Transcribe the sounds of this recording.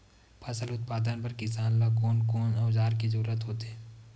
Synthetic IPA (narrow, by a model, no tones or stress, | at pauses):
pʰɐsəlʊt̪̚paːd̪ənpɐɾkɪsaːnlakoːnkoːnɐːzaːɾkizɐɾuːɾət̪ɦoːt̪eɦɛ̃ː